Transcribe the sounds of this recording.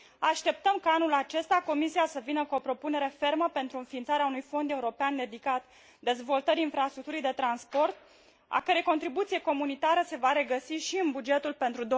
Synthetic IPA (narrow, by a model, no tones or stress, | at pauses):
aʃt̪e̞p̚t̪əmkaanulat͡ʃe̞st̪ako̞misiasəvinəkuo̞pɾo̞pune̞ɾe̞fe̞rməpe̞nt̪ɾuɨnfiːnt̪saɾeaunujfo̞nd̪e̞uɾo̞peand̪e̞d̪ikat̪ | d̪e̞zvo̞lt̪əɾiinfɾast̪ɾuk̚t̪uɾijd̪e̞t̪ɾanspo̞rt̪̚ | a̰kəɾe̞jko̞nt̪ɾibut̪sije̞ko̞munit̪aɾəse̞vaɾe̞ɡəsiʃiɨnbud͡ʒe̞t̪ulpe̞nt̪ɾud̪o